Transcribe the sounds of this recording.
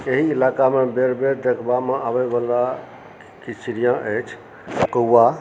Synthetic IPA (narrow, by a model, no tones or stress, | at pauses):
eɦiːlakamebeɾbeɾd̪ekʰbameʔabebala | kit͡ʃiɾijãʔət͡ʃʰ | kəuːa